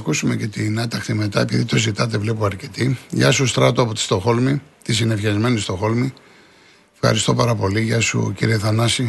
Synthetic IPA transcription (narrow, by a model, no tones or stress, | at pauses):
kusume̞ce̞t̪inɐt̪ɐxt̪ime̞t̪ɐe̞piðit̪o̞zit̪ɐt̪̬e̞vlepoɐɾce̞t̪iʝɐ̰sust̪ɾɐt̪oɐpot̪i̥st̪o̞xo̞lmit̪isinefçɐzme̞nist̪o̞xo̞lmi | fxɐ̰ɾist̪o̞pɐɾɐpo̞liʝɐsṵciɾieθɐnɐsi